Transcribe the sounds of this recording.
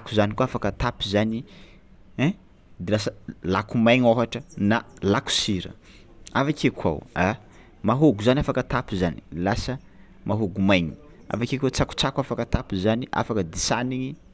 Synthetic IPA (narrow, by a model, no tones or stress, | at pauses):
akuzanikuafakət̪apizani | ɛ̃ | d̪elasəlakumajŋoɦaʈ͡ʂənalaku̥siɾə̰ | avakekʰwa̰wa | maɦoɡuzanafakət̪apizani̥lasə | maɦoɡumajɲi | a̰vakeket͡saku̥t͡sakʷafakət̪apizaniʔa̰fakəd̪isaniŋi